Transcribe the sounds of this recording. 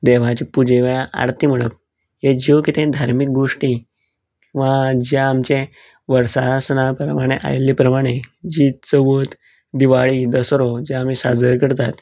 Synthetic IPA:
d̪eʋ̤at͡ɕipud͡ʑeʋeɭaʔa̰ɽt̪iːm̤əɭəp̚ | ɦed͡ʑiwkit̪ʰẽd̪ʱaɾmik̚ɡoʂʈi | kĩw̃ʋad͡ʑjaːmt͡ɕẽ | ʋəɾsasənapɾəmaɽ̃eʔa̰jlːipɾəmaɽ̃ed͡ʑiːt͡səʋət̪ | d̪iʋaɭid̪əsɾod͡ʑjaːm̤isad͡zəɾkəɾt̪at̪

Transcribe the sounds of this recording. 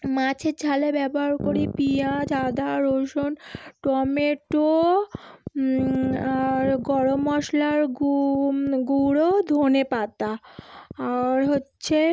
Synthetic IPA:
mãt͡ɕʰeɾd͡ʑʰʱalebɛboɦaɾkoɾipiad͡ʑʱad̪aɾoʃonʈɔmeʈo | aɾɡɔɽomɔʃlaɾ | ɡuɽod̪ʱonepat̪aː | ɾɦotːɕʰe

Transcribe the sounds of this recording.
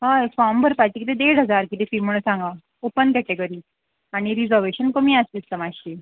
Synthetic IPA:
ɦãfambəɾpaʈ̪ikt̪ed̪eɽɦəd͡zaɾkit̪efimuɽəsãŋɡa | opənkɛʈeɡəɾiː | aɽ̃iɾid͡zəɾʋeɕənkəmiːast̪ist̪əmaɕi

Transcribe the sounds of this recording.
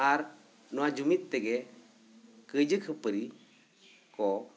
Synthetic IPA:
aɾ | nɔwad͡ʒumit̪ːɛɡɛ | kəd͡ʒəkʰəpəɾi | kɔ

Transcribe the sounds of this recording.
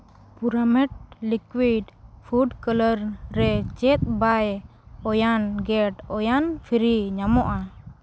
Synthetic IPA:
puɾamɛʈ̚likwiɖpʰuɖkələɾɾɛt͡ʃɛt̪̚ˀbaj | ɔjanɡɛʈɔjanpʰiɾiɲamɔʔa

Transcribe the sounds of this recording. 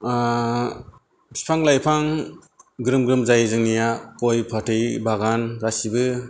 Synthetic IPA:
bi̥pʰaŋlajpʰaŋ | ɡɾɯmɡɾɯmzajzɯŋnijakojpʰatʰɯjbaɡankasibɯ

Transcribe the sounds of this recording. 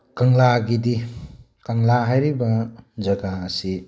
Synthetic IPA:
kaŋlaɡidi | kaŋlaɦajɾibɐd͡ʒɐɡaːsi

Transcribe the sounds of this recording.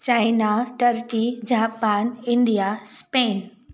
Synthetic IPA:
t͡ɕaːɪnaʈɐɾʈid͡ʑaːpaːnɪ̃ɳɖijaspeːn

